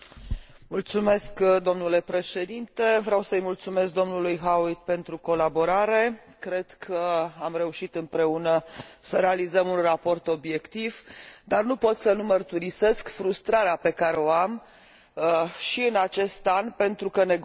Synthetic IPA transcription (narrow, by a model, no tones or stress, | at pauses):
mult̪sume̞skd̪o̞mnule̞pɾe̞ʃe̞d̪int̪e̞vɾeawsəɨjmult̪sume̞sk̚d̪o̞mnulujɦawit̪̚pe̞nt̪ɾuko̞labo̞ɾaɾe̞ | kɾe̞d̪̥kʰəamre̞uʃit̪ɨmpɾe̞unəsəɾealizəmunrapo̞rt̪o̞bje̞kt̪ivd̪arnupo̞t̪sənumərt̪uɾise̞skfɾust̪ɾaɾeape̞kaɾeo̞am | ʃiɨnat͡ʃe̞st̪anpe̞nt̪ɾukəne̞